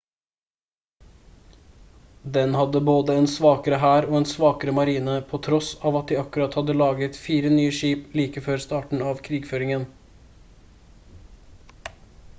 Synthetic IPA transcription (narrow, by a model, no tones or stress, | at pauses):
d̪ɛnhɑd̪əboːd̪əɛːnsʋɑːkəɾəɦæːɾoːɛːnsʋɑːkəɾəmɑɾiːnəpʰoːt̪ʰɾɔsɑːʋɑt̪̚d̪iːɑkʉɾɑt̪hɑd̪əlɑːɡət̪fiːɾənyːəʃiːpliːkəføːɾst̪ɑːʈɳ̩ɑʋkʰɾiːɡføːɾɪŋən